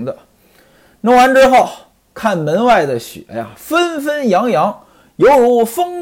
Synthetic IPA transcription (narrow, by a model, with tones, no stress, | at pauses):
d̪ə˧ | no˧˥ŋwa˧˥nʈ͡ʂɻ̩˥xo˥˩ʊ | kʰa˥˩nmə˧˥nwa˥˩ɪd̪ə˩ɕy̰˨˩˦a̰˥ɪa̰˨˩fə˥nfə˥njɑ˧˥ŋjɑ˧˥ŋ | jo˧˥ʊɻu˧˥fɤ˥ŋ